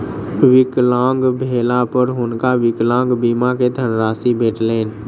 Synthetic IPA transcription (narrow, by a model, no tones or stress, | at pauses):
ʋɪklãːŋɡbʱeːlapəɾɦʊnkawɪklãːŋɡbimaked̪ʱənɾaːsibeːʈleːn